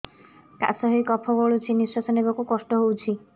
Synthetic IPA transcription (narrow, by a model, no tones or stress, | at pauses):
ka̰sɔɦijkɔpʰɔbɔɭut͡ʃʰiniswasɔnebɔkukɔsʈɔɦowt͡ʃʰi